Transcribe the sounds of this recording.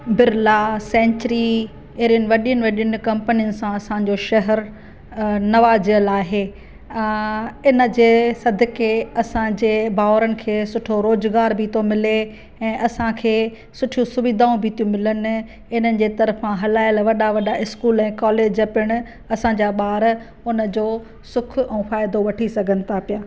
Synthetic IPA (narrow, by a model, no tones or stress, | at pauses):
bɪɾlasɛ̃ːɲt͡ɕɾi | eːɾijənɪ̆ʋɐɗijənɪʋɐɗijənɪkɐ̃mpənijənɪ̆sãɐsãd͡ʑoʃɐɦɛɾ | nɐʋaːd͡ʑiəlaːɦeː | ɪnə̆d͡ʑeːsɐd̪ʱkeɐsãd͡ʑeːbaːʋɾənɪ̆kʰeːsʊʈʰoɾoːzɡaːɾbʱit̪omɪle | ɛ̃ːʔɐsãkʰeː | sʊʈʰijũsʊʋid̪ʱaːũbʱiːt̪ijũmɪlənɪ̆ | ɪnənɪ̆d͡ʑeːt̪ɐɾfãɦɐlaːɪlʋɐɗaʋɐɗaʔɪskuːlɛ̃ːkɔːleːd͡ʑɐpɪɽ̃ʊ | ɐsãːd͡ʑaːɓaːɾ | ʊnə̆d͡ʑoː | sʊkʰɛ̃ːfaːɪd̪oʋɐʈʰisɐɡʱənɪ̆t̪ʰapijaː